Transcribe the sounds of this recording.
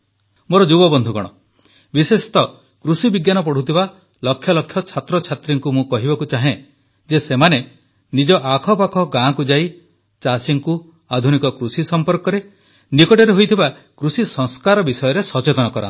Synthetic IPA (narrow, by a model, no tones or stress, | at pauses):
moɾɔd͡ʒubɔbɔnd̪ʱuɡɔ̰ɽ̃ɔ̰ | bisesi̥t̪ɔ | kɾusibiɡjanɔp̬ɔɽ̤ut̪ʰiba | lɔkʰːjɔlɔkʰːjɔt͡ʃʰat̪ɾɔt͡ʃʰat̪ɾiŋkumũkɔɦibakut͡ʃaɦẽ | d͡ʒesemane | nid͡ʒɔʔakʰɔpakʰɔɡãkud͡ʒai | t͡ʃasiŋku | ad̪ʱunikɔkɾusisɔmpɔɾkɔɾe | nikɔʈɔɾeɦojt̪ʰiba | kɾusisɔŋskaɾɔbisɔjɔɾesɔt͡ʃet̪ɔnɔkɔɾã̰